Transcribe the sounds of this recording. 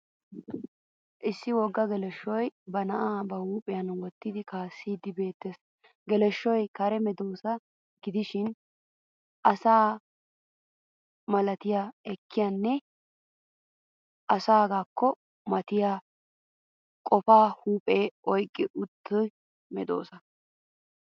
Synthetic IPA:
ʔɪsːɪwɔɡːɐɡɛlɛʃɔjbɐnɐʔaːbɐhuːpʼɛjɐnwɔt̪ːɪd̪ɪkaːsːiːd̪ɪbe̞ːt̪ːes | ɡɛlɛʃːɔjkɐɾɛmɛd̪oːsɐ | ɡɪd̪ɪʃɪn | ʔɐsaː | mɐlɐt̪ɪjaɛkːɪjanːɛ | ʔɐsaːɡaːkːɔ | mɐt̪ɪjaː | kʼɔfaːhuːpʼeːʔɔjkʼːɪʔʊt̪ːʊj | mɛd̪o̰ːsɐ

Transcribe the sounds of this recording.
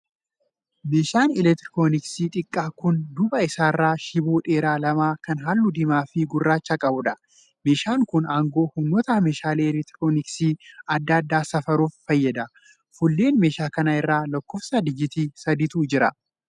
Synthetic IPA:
me̞ːʃaːnɪlɛt̪ɪɾɪkoːnɪksiːt̪ʼɪkʼːaːkʊnd̪ʊbɐɪsaːrːaːʃɪbuːᶑeːɾaːlɐmaːkɐnɦaːlːʊd̪ɪmaːfɪɡʊrːaːt͡ʃːakʼɐbʊᶑɐ | me̞ːʃaːŋkʊnaːŋɡo̞ːhʊmnːoːt̪ɐmeːʃaːleːlɛt̪ɾɪkoːnɪksiːɐd̪ːɐːɐd̪ːaːsɐfɐɾuːfːɐjːɐd̪ɐ | fʊlːe̞ːnme̞ːʃaːkɐnɐɪrːaːlɐkːɔfsɐd̪ɪd͡ʒɪt̪iːsɐd̪ɪt̪uːd͡ʒɪɾɐ̰

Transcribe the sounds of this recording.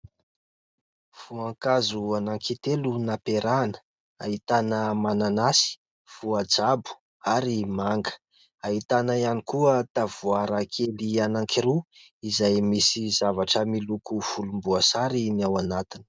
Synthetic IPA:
v̥uaŋkazuanaŋkit̪elunapeɾanə̥ | ait̪anəmananasi̥ | v̥uad͡zabu̥ | aɾimaŋɡə̥ | ait̪anajanikuət̪av̥uaɾakʰelianaŋkʰiɾu | izajmisizavaʈ͡ʂəmilukufulumbuasaɾiniawanat̪ini̥

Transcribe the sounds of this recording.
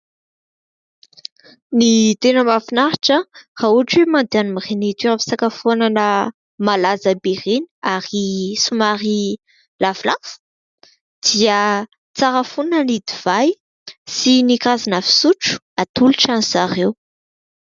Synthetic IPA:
nit̪enəmafinaɾiʈ͡ʂərauaʈ͡ʂwemand̪eanumiʁenit̪iɾafi̥sakafonanə | malazəbeʁenaɾisumaɾi | lavlav̥u̥ | d̪̥iə | t͡saɾəfunənid̪iv̥aj | sinikazinafi̥suʈ͡ʂu̥ | at̪uluʈ͡ʂanzaʁew

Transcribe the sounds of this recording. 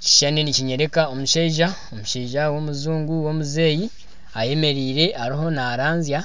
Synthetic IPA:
ci̥ʃaniniciɲe̞ɾe̞kao̞muʃeiʒa | o̞muʃeʒawo̞muzuːŋɡuwo̞muze̞ːji | aje̞me̞ɾiːɾe̞ʔaɾiɦo̞naːɾaːnzja

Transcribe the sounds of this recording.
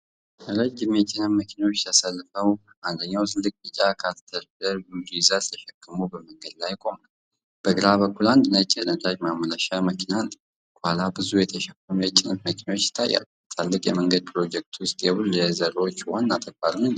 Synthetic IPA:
ɾəd͡ʒːɪmjɛt͡ʃʼːɪnəmməkʰinawot͡ʃːt̪ʰəsəlːfəw | ʔand̪əɲːawt̪ʰɨlːɨk̚ʼit͡ʃʼːakʰaɾt̪ʰəɾfləɾɡud̪izazt̪ʰəʃɛkʼːɨmuwbəməŋɡəd̪lajkʼo̞mal | b̥əɡɨɾaβəkʰːuland̪ɨnət͡ʃʼːɛlət̪ʼad͡ʒmamːələʃaməkʰinan | kʰʷʼhalabɨzujɛt̪ʰəʃɛkːəmlət͡ʃʼːɪnəmməkʰinawot͡ʃːɪ̥t̪ʰːajːa̰l | t̪ʰalːɨkʼjɛməŋɡəd̪̚pʰɾo̞d͡ʒɛk̚t̪ʰwʊst̪ʼjɛβɨljɛzəɾo̞t͡ʃːwanːat̪ʼəkbalnɨn

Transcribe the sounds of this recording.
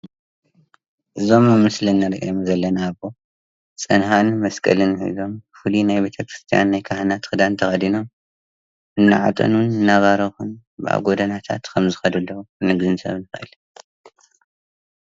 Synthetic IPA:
ʔɨzo̞mɨmɨslɨnːɐɾʔḭjomzɐlːɐnaβo | t͡sʼɨnhanmɐskʼɐ̰lɨnhɨ̰zo̞mfɨlinajbe̞t̪ʰɐkɾɨst̪ʰija̰nːajkʰahɨnat̪xɨd̪ant̪ʰɐxɐd̪ino̞m | ɨnːa̰ʕa̰t̪ʼɐ̰nunɨnːaβaɾɐxun | bɨʔa̰ɡo̞d̪ɐnat̪ʰa̰t̪kʰɐmzɨxɐd̪ulːɐwunɨɡzɨnsɐ̰βnɨxɨʔɨ̰l

